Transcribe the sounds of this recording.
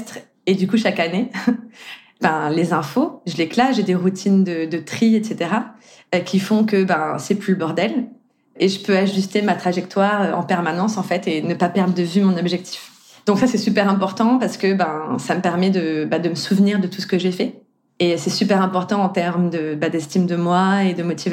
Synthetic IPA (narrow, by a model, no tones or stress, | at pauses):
t̪χ | ed̪ykuʃakane | bɛ̃lezɛ̃foʒəleklaʒed̪eʁut̪ʰind̪əd̪ət̪χiet̪set̪eʁa | kʲifɔ̃kəbɛ̃sɛplyləbɔʁd̪ɛl | eʒəpøaʒyst̪emat̪χaʒɛkt̪waʁøɑ̰̃pɛʁmanɑ̃sɑ̃fɛt̪enəpapɛʁd̪ʁəd̪əvymɔ̃nɔbʒɛk̚t̪ʰi̥f | d̪̥ɔ̃ksasɛsypɛʁɛ̃pɔʁt̪ɑ̃paʁsə̥kəbɛ̃saməpɛʁmɛd̪əbad̪əməsuvniʁd̪ət̪usə̥kəʒefɛ | esɛsypɛʁɛ̃pɔʁt̪ɑ̃ːt̪ɛʁmd̪əbad̪ɛst̪imd̪əmwaed̪əmɔt̪ʰiv